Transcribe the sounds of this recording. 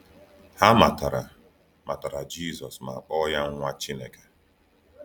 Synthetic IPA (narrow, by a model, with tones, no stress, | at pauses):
ha˦ma̰˨ta˨ɾa̰˨ | ma˨ta˨ɾa˨d͡ʒi˦˨zɔ˨sma̰˨a˨k͡pɔ˦ja˦ŋ̩˦ŋʷa˦t͡ʃi˦ne˦ke̥˨